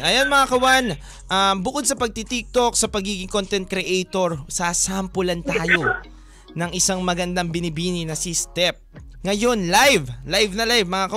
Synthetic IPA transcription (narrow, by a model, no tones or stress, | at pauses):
ʔɐjonmɐŋakɐwan | ʔambʊkod̪̚sɐpɐɡ̚t̪it̪ik̚t̪o̞k̚sɐpɐɡiːɡɪŋkont̪ɛnt̪̚kɾɛʔejt̪oɹsaːsampʊlɐnt̪aːjo̞ | nɐŋʔɪsaŋmɐɡɐnd̪ɐŋbɪnɪbiːninɐsist̪ɛp̚ŋɐjo̞nlajvlajvnɐlajvmɐŋakɐ